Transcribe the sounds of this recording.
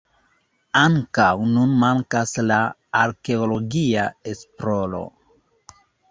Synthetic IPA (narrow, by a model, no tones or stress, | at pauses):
aŋkawnunmaŋkasla | aɾke̞olo̞ɡiaespɾolo̞̰